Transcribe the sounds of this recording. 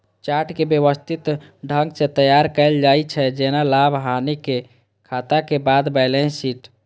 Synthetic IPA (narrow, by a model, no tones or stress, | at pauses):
t͡ʃaɾʈkebjəʋəst̪ʰit̪ɖʱə̃ŋɡsẽt̪əjaɾkəld͡ʒait͡ʃʰɛd͡ʒenalabʱɦanike | kʰat̪akebad̪bəɪlẽsiːʈ